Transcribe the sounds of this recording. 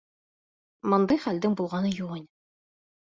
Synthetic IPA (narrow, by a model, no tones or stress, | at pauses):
mɤnd̪ɑjχæld̪ɘŋbulˠʁɑnɤjuʁɤnʲ